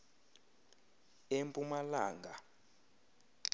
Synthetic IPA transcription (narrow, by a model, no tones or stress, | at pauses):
empʼumalaːŋɡʱa